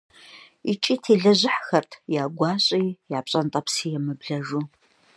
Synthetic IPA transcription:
ḭt͡ʃʼiːtʰeːɮɐʑɪħxɐrtʰjaːɡʷɑːɕʼiːjaːpɕʼɐntʼɐpsiːjɛmɨbɮɐʒuː

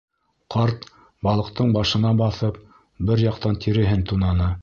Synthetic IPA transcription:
qɑɾt̪ | bɑlˠɤ̆qt̪ɤɴbɑʃɤ̆nɑbɑθɤp | bɘɾjɑqt̪ɑnt̪ʰiɾɘ̆ɦɘnt̪unɑnɤ

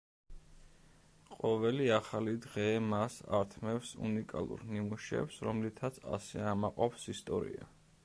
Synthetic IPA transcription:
qʼɔvɛliaχalid̪ʁɛmasa̰ɾt̪ʰmɛfsṵnikʼa̰lˠṵɾnimuʃɛ̰psɾɔmlit̪ʰat̪sʰa̰sɛamaqʼɔpsist̪ʼɔɾḭa̰

